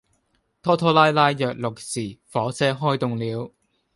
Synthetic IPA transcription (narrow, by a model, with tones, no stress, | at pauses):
t̪ʰɔː˥t̪ʰɔː˥laː˥jlaː˥jːœː˨k̚lʊ˨k̚siː˨˩fɔː˨˥sɛː˥ɦɔː˥jt̪ʊ˨ŋliː˨˧w